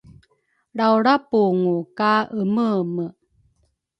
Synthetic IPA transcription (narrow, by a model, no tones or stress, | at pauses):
ɽawɽapuŋukaəməmə